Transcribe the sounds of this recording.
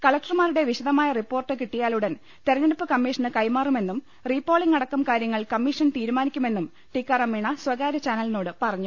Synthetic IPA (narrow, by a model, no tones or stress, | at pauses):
kɐlɐk̚ʈɐrmaːɾuɽe̞ʋiɕɐðɐmaːjɐripːo̞ːrʈːɨkiʈːijaːluɽɐn | t̪erɐɲɐɽupːɨkɐmːiːʂɐnɨkɐjmaːrume̞nːum | riːpːoːɭiŋːɐɽɐkːɐmkaːɾjɐŋːɐɭkɐmːiʂɐnt̪iːɾumaːnikʲːume̞nːum | ʈikːɐrɐmːiɳɐswɐɣaːɾɐt͡ɕaːnɐlno̞ːɽɨpɐrɐɲːu